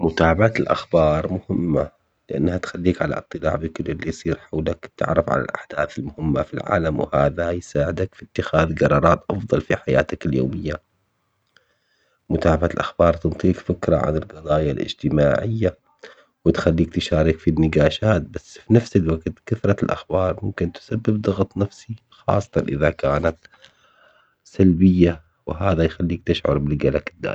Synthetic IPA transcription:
mʊt̪aːʕabaʕat̪ɪlʔa̰xbɑːɾˤmʊhɪmːa | lɪʔa̰nːhat̪xalːiːkʕala̰ʔɨt̪ˤːɨla̰ːʕbikɪlːɪlːijsˤiːɾħawlakt̪ɪ̰ʕɾɑfʕa̰la̰lʔa̰ħd̪̥aːθɪlmʊhɪmːafilʕa̰ːlamwhaːðajsaːʕɪd̪akfit̪ːɪxaːðɡɑɾˤɑːɾˤɑːt̪ʔɑfðˤɑlfiħajaːt̪akɪljo̰ːmɪjːa | mʊt̪aːbaʕalʔaxbɑːɾˤt̪ɨnt̪ˤiːkfɪkɾˤɑ̰ʕa̰nɪlɡɑd̪ˤɑːjalʔɪ̰d͡ʒt̪ɪmaːʕɪjːa | wɪt̪xalːiːk̚t̪ɪʃaːɾɪkfinːɪɡaːʃaːt̪̚basːfinafsalwaɡt̪kaθɾˤɑlʔa̰xbɑːɾˤmʊmkɪnt̪sabːɪbd̪ˤɑɣt̪ˤnafsi | xɑ̰ːsˤːɑ̥t̪ˤɑnʔɪðakaːnat̪ | salbɪjːa | wɪɦaːðajxalːiːk̚t̪ɪʃʕʊ̰ɾˤbɪlɡalakɪd̪ːa̰ː

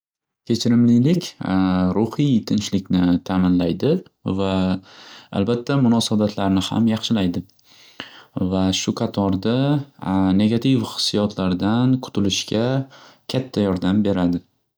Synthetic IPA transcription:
kʲʰe̞t͡ʃʰɪɾɪmlɪjlɪkʲɾʊhijt̪ʰɪnʃlɪkʲnɪt̪ʰamɪnlajd̪ɪ | va | a̰lbat̪ʰːamʊnɒsabat̪ʰlaɾnɪha̰mjɑχʃɪlajd̪ɪ | vaʃʊqʰɑt̪ʰɒɾd̪a | ne̞ɡʲat̪ʰɪvhɨ̥sːijɒt̪ʰlaɾd̪anqʰʊ̥t̪ʰʊlɪʃkʲakʲʰat̪ʰːajɒɾd̪ambe̞ɾad̪ɪ

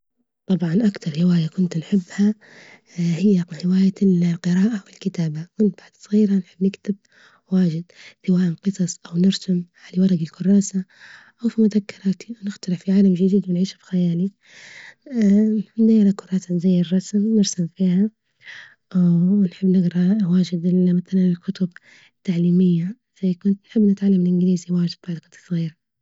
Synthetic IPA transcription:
t̪ˤɑbʕɑnʔakt̪ɑɾˤhɪwaːjakʊnt̪nħɪbːha | hɪjːaʕɪwaːjalqɨɾɑːʔawɪlkɪt̪aːbakʊnt̪̚b̥aʕd̪̥sˤɣiːɾanħɪbːnɪkt̪ɪb̚ | waːʒɪd̪̚θawaːʔanqɨsˤɑsˤʔawnɪɾsamʕalawɑɾˤɑɡɪlkʊrˤːɑːsa | ʔawfimʊðakːɪɾˤɑːt̪iwnɪxt̪ɑɾʕfiʕaːlamʒɪd̪iːd̪wɪnʕiːʃfi̥xajaːli | nd̪ajːɪɾˤakʊɾˤɑːsanzajːɪrˤːɑsmnɪɾsamfiːha | ʔwnħɪbːnɪɡɾˤɑwaːʒɪd̪ɪlmaθalanɪlkʊt̪ʊb | ɪt̪ːaʕliːmɪjːa | z̥ajːkʊnt̪nħɪbːnɪt̪ʕalːamɪlʔɪnɡɪliːziwaːʒɪd̪̚baʕd̪kʊnt̪sˤɣiːɾa

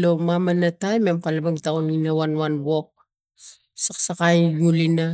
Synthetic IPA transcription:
lo̞mamanatajme̞mkalabaŋtawninawanwanbo̞k̚ | saksakajjulina

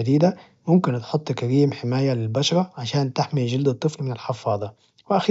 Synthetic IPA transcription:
ad̪iːd̪a | mʊmkɪnt̪ħʊt̪ˤːkaɾiːmħɪmaːjalɪlbaʃɑɾˤɑʕaʃaːnt̪ɪħmiʒɪld̪ɨt̪ˤːɨflmɪnalħɪfɑːðˤɑ | wɪʔaxː

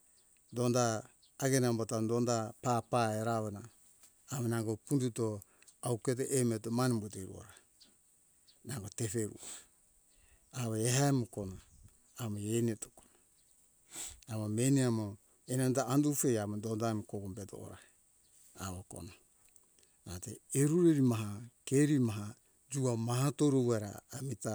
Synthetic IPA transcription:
dondaː | ɡenambotadondapapaeɾaβenaː | βonaŋɡopunduto | awket̬eʔemetomanimbuteɾṵo̰ɾa | naŋɡotefeɾṵo | aβoeɦaemukona | amoenietokono | amomeniamo | enandaandufejamodondamkoɡombeto̰ʔo̰ɾa̰ | aβoko̰no | nateeɾuɾeɾimaɦakeɾimaɦa | d͡ʒuamahatoɾowaɾa̰ːmita

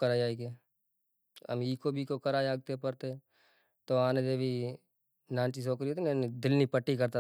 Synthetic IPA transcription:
kəɾaːjaːike | ə̰miːkobʱikokəɾaːeaːɡ̚t̪epɐɾt̪e | t̪oaːned̪ebʱi | nãːnt͡ʃis̬oːkɾiot̪inenid̪ɪlnipəʈːikɐɾt̪a

